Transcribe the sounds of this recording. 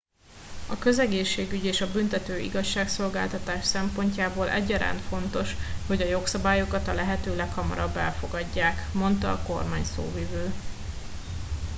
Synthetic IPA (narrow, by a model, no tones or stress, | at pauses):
ɒkø̞zɛɡeːʃːeːɡyɟeːʃɒbynt̪ɛt̪øːʔḭɡɒʃːaːkso̞lɡa̰ːlt̪ɒt̪aːʃsɛmpo̞ɲcaːboːlʔɛ̰ɟːɒɾa̰ːnfo̞nt̪o̞ʃho̞ɟɒjo̞ksɒbaːjo̞kɒt̪ɒlɛɦɛt̪øːlɛkhɒmɒ̰ɾɒbːɛlfo̞ɡɒɟːaːkmo̞nt̪ɒːko̞rmaːɲso̰ːvivøː